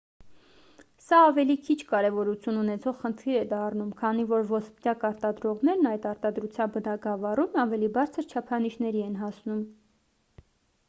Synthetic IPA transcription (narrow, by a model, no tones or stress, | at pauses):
sɑɑvɛlikʰit͡ʃʰkɑɾɛvɔɾut͡sʰjununɛt͡sʰɔʁχənt̪ʰiɾɛd̪ɑrnumkʰɑnivɔɾvɔspit̪ɑkɑɾt̪ɑd̪ɾɔʁnɛɾnɑjt̪ɑɾt̪ɑd̪ɾut͡sʰjɑnbənɑɡɑvɑrumɑvɛlibɑɾt͡sʰəɾt͡ʃʰɑpʰɑniʃnɛɾiɛnɦɑsnum